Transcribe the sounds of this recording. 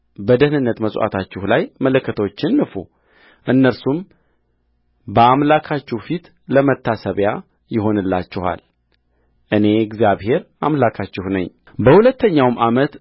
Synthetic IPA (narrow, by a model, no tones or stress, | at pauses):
bəd̪əhnɨnːət̪məsʼʔa̰t̪ʰat͡ʃːɪhlajmələkʰːət̪ʰəwot͡ʃːɪnːɨfu | ʔɨnːəɾsum | bəamlakʰat͡ʃːɛhfit̪ | ləmət̪ʰːasəβja | jɪɦo̞nɨlːa̰t͡ʃːɪha̰l | ʔɨne̞ɡzijaβhe̞ɾʔamlakʰat͡ʃːɪhnəɲː | bəhulət̪ːəɲːawmʔamət̪